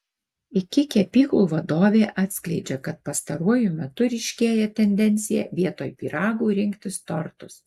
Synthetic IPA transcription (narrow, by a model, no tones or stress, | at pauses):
ɪkʲɪkʲɛpʲiːklˠuːʋɐd̪oːʋʲeːʔɑːt̪ʲsʲklʲɛɪd͡ʒʲɛkɐt̪̚pɐst̪ɐɾuɔjʊmʲɛt̪ʊɾʲɛɪʃʲkʲeːjɛt̪ʲɛnʲd̪ʲɛnʲt̪sʲɪjɛʋʲiɛt̪oːjpʲiːɾɑːɡuːɾʲɪŋʲkt̪ʲɪst̪ɔɾt̪ʊs